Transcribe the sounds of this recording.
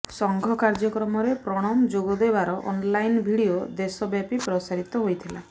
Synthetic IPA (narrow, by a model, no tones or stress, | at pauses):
sɔŋɡʱɔkaɾd͡ʒɔkɾɔmɔɾepɾɔɽ̃ɔmd͡ʒoɡɔd̪ebaɾɔʔɔ̰nlajnbʱiɽiod̪esɔbjapipɾɔsaɾit̪ɔɦojt̪ʰila